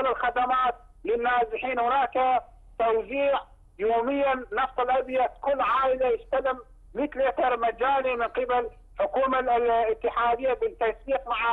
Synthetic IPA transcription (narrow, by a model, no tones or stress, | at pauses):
lɪlxad̪amaːt̪̚ | lɪnːaːsɪħiːnhʊnaːka | t̪awziːʕ | joːmɪjːaːɑft̪ˤɪlʔabjat̪kʊlːʕaːʔɪlajɪst̪alɪm | mit̪lit̪ɑɾˤmad͡ʒaːlimɪnqɪbal | ħʊkuːmalɪt̪ːɪħaːd̪ɪjːabɪt̪ːajsiːqmaʕa